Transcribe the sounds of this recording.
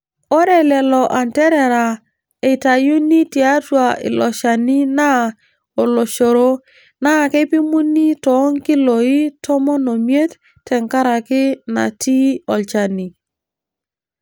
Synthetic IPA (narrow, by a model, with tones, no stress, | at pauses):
o˦ɾɛ˨lɛ˨lɔ˨ʔa˨ntɛ˦ɾɛ˨ɾa˨ | e˨ta˨ju˦ni˦ti˨a˦twa˨ɪ̰˨lɔ˨ʃa˨ni˦na˦ | o˨lo˨ʃo˨ɾo˦ | na˦ke˦pi˦mu˦ni˦tɔ˨˦ŋki˦lo˨i˦tɔ˦mɔ˦no˨mje˦t | tɛ˨ŋka˦ɾa˨kɪ˦na̰˨ti˦ɔ˨lt͡ʃa˨ni˨